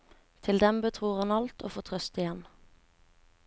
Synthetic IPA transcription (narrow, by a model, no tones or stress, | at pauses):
t̪ʰɪld̪ɛmbət̪ʰʁuːʁhɑnɑlt̪o̰ːfoːt̪ʰʁœst̪ɪjɛn